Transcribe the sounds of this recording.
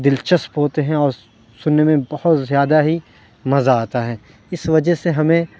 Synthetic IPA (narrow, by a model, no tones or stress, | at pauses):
d̪ɪlt͡ʃɐspɦoːt̪eɦɛ̃ɔːɾ | sʊnːemẽbɐhʊt̪zjaːd̪aɦi | mɐzaaːt̪aɦɛ̃ː | ɪsʋɐd͡ʒəseɦɐmẽ